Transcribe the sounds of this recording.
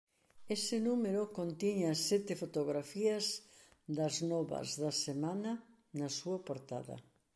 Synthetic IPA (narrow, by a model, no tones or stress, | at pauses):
esɪnumeɾokont̪iɲɐsːɛt̪ɪfot̪oɣɾafiɐzðɐznɔβɐ̰zðɐsemanɐ | nɐsuɐpoɾt̪a̰ðɐ̰